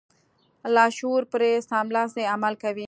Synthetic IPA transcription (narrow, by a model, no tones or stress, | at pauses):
laːʃuːɾpɾeːsaːmlaseɐməlkɐʋi